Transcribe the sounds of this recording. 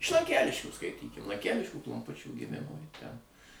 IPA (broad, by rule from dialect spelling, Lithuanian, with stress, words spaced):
ɪʃ lˠɐŋʲˈkʲæːlʲɪʃʲkʲuː skɐɪˈtʲiːkʲɪm lˠɐŋʲˈkʲælʲɪʃʲkʲuː klˠoːmˈpʊt͡ʃʲuː ɡʲɪˈmʲɪmoː jɪ ˈtʲɛn